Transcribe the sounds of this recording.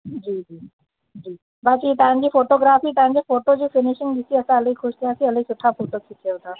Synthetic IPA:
d͡ʑiːd͡ʑiː | d͡ʑiː | bat͡ɕiːt̪ãd͡ʑiːfoʈoɡɾafiːt̪ãɲd͡ʑifoʈod͡ʑiːfɪniɕiŋd̪isiːəsaələikʰuʂt̪eəsiələisuʈʰːafoʈokʰikewt̪a

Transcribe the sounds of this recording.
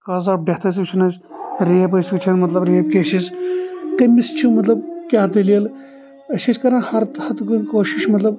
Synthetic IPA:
kɐːzaːp̚ɖeht̪ɐs̬kt͡ʃʰinɐz | ɾeːɐpɐskit͡ʃʰɐnmɐt̪lɐbɾeːp̚kʲeːʃizkɐmist͡ʃʰumɐt̪lɐb̚kʲaːt̪ɐlijɐl | ɐʃɐt͡ʃʲkɐɾãːhɐɾt̪ɐt̪ɡunkoːʃiʃmɐt̪lɐb

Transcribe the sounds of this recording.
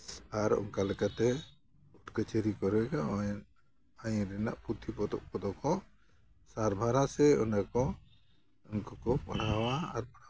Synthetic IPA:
aɾɔ̰ŋkalɛkat̪ɛ | uʈkət͡ʃəɾikɔɾɛkaɔn | ajɾɛna̰ʔput̪ʰipɔd̪ɔ̰ʔpɔd̪ɔkɔ | saɾbʱaɾasɛɔnakɔ | ɔnkɔkɔpaɽ̤awaːɾpaɽa

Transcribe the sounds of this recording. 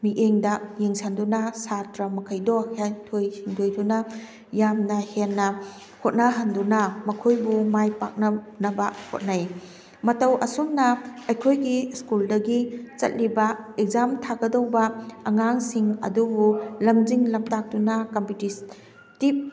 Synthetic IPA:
miʔeŋdɐjeŋsandunɐsatɾɐmɐkʰɐjdɔhentʰojhiŋdojdunɐ | jamnɐhenːɐ | hot̚nɐɦɐndunɐmɐkʰojbumajpa̰k̚nɐ | nɐbɐho̰t̚naj | mɐtɐwʔɐ̰soŋnɐɐjkʰojɡiskuldɐɡit͡ʃɐ̰t̚libɐek̚zamtʰaɡɐdɐwbɐɐŋaŋsiŋɐ̰dubulɐmziŋlɐmtak̚tunɐkɐmpitis | tip̚

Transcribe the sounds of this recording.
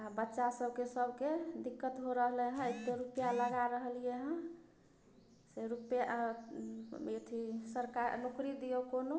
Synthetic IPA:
abətːʃasəbʱkesəbʱked̪ikːət̪ɦoɾəɦlɛɦə̃et̪eɾupjaləɡaɾəɦlijeɦə̃ | seɾupja | et̪ʰisəɾkaɾnokɾid̪ijokono

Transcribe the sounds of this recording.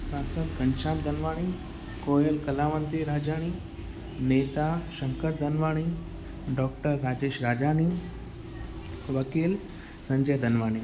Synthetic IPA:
sasət̪kəɲt͡ɕãnd̪ʱənʋaːɽ̃i | kojəlkəlaʋant̪iɾad͡ʑaɽ̃i | net̪aɕəŋkəɾd̪ʱənʋaːɽ̃i | ɖɔk̚ʈəɾːad͡ʑeɕɾad͡ʑaɽ̃i | ʋəkiːl | səɲd͡ʑəjd̪ʱənʋaɽ̃i

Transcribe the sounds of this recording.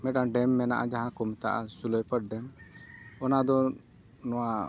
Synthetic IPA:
mɛʈãɖɛmːɛnaʔad͡ʒaɦãkɔmt̪aʔa̰sulɔjpəʈ̚ɖɛm | ɔnad̪ɔ | nɔwa

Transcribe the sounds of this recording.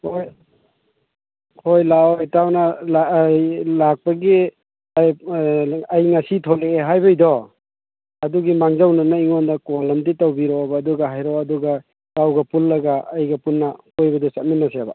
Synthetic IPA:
hoj | hojlaojtawnala | lak̚pɐɡi | aj | ɐjŋasitʰɔleeɦajbajdɔ | ɐduɡimaŋzawnɐnaiŋondɐkɔlɐmditawbiɾɔbaːduɡaɦajɾɔɐduɡa | tawɡɐpullɐɡaɐjɡɐpunːɐkojbɐdɔsat̚minːaseba

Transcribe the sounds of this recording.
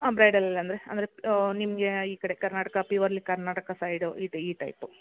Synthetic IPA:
aːbɾɐjɖɐlːɐlːɐnd̪ɾeɐ̰nd̪ɐɾenimːɐɡeiːkɐɽekɐɾnaːʈɐkɐpiʋɐɾlikɐɾnaːʈɐkɐsajɖuiːʈiːʈɐ̰jpu

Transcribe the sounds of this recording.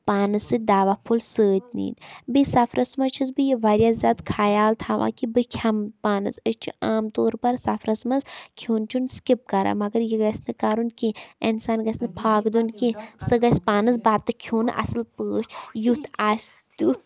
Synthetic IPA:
paːnɨsɨd̪aːʋapʰulsəːd͡ʒnḭːnbisɐfʰɾʔɐsmɐt͡ʃʰizbijiʋaɾʲjazʲaːd̪kʰaːjaːlt̪ʰaːʋã̰ːkibɨkʲʰɐmpaːnɨzəʃt͡ʃʰṵʔaːmt̪oːɾpɐɾsɐfɾɐsmɐzkʰjoːnt͡ʃʰunskip̚kɐɾa̰mɐɡɐɾjiɡɐsʲnɨkaːɾunkiensaːnɡɐsʲnɨpʰaːɡd̪unkisɨɡɐsʲpaːnɨzbaːt̪ːɨkʰjoːnɨʔɐ̰sɨlpəːʃjut̪ʰas | ut̪

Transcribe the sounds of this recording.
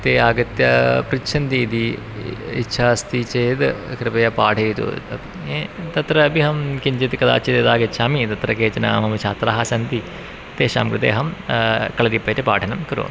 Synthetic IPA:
t̪eːaːɡɐt̪jɐpɾitʃʰɐnt̪iːd̪i | ḭtːʃʰaːst̪it͡ʃeːd̪kɾɪpɐjɐpaːʈʰɐːt̪ṵ | t̪ɐt̪ɾɐɐbiɦɐmkiɲt͡ʃit̪kɐd̪a̰ːt͡ʃid̪eːd̪aːɡɐtʃʰaːmit̪ɐt̪ɾɐkeːt͡ʃɐna̰ːmɐmɐt͡ʃʰaːt̪ɾaːɦɐsɐnt̪i | t̪eːʃa̰ːmkɾud̪ḛːɦɐmkɐɭɐd̪ipːɐtɐpaːʈʰɐnɐmkɐɾo̰ːn

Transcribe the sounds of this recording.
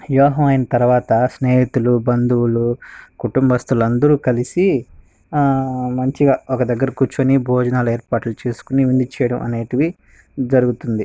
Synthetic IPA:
jɔːɦɐmɐjinɐt̪ɐɾuʋaːt̪ɐsneːɦit̪ulubɐnd̪uwulukuʈumbɐɐst̪ulɐnd̪ɐɾuːkɐlisi | mɐɲt͡ʃiɡaːɔkɐd̪ɐɡːɐɾɐkuːt͡ʃːuɐnibʱɔːd͡ʒɐnaːlueːɾpaːʈlut͡ʃe̞ːsu̥kuniʋind̪it͡ʃɛjɐɽɐmʔɐ̰ne̞ːʈiʋi | d͡ʒɐɾuɡut̪und̪i

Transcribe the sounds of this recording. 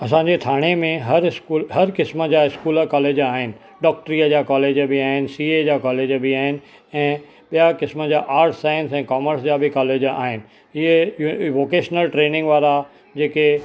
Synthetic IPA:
ɐs̬ãːɲd͡ʑet̪ʰaːɽ̃emẽɦɐɾskuːlɦɐɾkɪsmə̆d͡ʑaːɪskuːləkɔːleːd͡ʑaːɦɪnɪ̆ | ɖɔːk̚ʈɾiːəd͡ʑaːkɔːleːd͡ʑbɪaːɦɪnɪ̆siːed͡ʑaːkɔːleːd͡ʑbɪaːɦɪnɪ̆ | ɛ̃ː | ɓijakɪsmə̆d͡ʑaːʔaːɾʈʰsaːjə̃nsɛ̃ːkɔːməɾsd͡ʑaːbʱɪkɔːleːd͡ʑa̰ːɦɪnɪ̆ | ɪɦeʋoːkeːʃnəlʈɾeːnɪ̃ŋɡʋaːɾa | d͡ʑeːke

